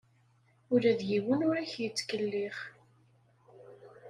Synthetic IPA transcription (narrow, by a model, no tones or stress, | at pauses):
ʊɾæðjiwənʊɾæçjət͡sːkəlːɪχ